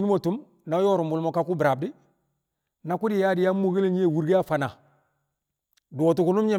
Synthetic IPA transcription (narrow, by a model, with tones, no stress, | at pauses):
nu˦mo˨tu˦m | na˨˦jo˦ɾu˨mbu˨lmo˨ka˨ku˦bɾa˨b̚di˦ | na˨ku˦di˦˨ja˦di˦ja˦mːo˦˨ɡe˦le˦ɲi˦e˦˨wu˨ɾɡe˦a˦fa˨na˨ | do˨o˨tu˨ku˦nu˦mɲe˦